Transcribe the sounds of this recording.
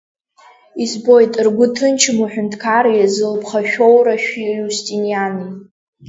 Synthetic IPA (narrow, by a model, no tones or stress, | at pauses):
izbo̞jtʼɨrɡʷʊtʰɨnt͡ʃʰmuħʷᶣʊntʰkʰaɾjazɨlpʰχaʃᶣowɾaʃᶣijustʼinijani